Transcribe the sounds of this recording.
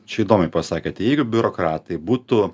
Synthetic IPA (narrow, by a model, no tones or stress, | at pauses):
t͡ʃʲɛiːd̪oːmʲɛɪpɐsɑːkʲet̪ʲɛjɛɪɡʊbʲʊɾokɾɑːt̪ɐɪbuːt̪ʊ